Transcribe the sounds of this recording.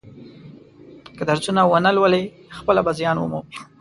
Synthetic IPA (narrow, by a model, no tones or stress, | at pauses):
kəd̪aɾzunawənəlwəle | xpəlabazjɑnwə̰mu